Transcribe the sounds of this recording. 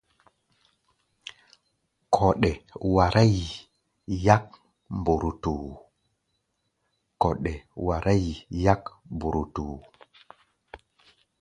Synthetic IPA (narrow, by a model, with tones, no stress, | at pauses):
kʰo˨ɗe˨wa˨ɾʔa˦j | ja˦k̚ | mbu˨ɾu˨tu˨ | ko˨ɗe˨wa˨ɾʔa˦jja˦kmbu˨ɾu˨tu˨